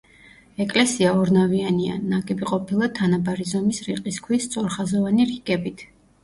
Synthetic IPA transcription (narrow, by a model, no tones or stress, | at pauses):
ɛkʼlɛsiaɔɾnaviania̰naɡʼɛbiqʼɔpʰilˠat̪ʰanabaɾizɔmisɾiqʼiskʰwist̪sʼɔɾχazɔvaniɾiɡɛbit̪ʰ